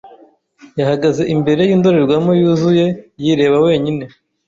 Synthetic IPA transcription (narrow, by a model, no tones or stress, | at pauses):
jahaɡaze̞ʔimbe̞ɾe̞jiːndo̞ɾeɾɡwamojuːzuje̞jiɾe̞ːβawe̞ːɲine̞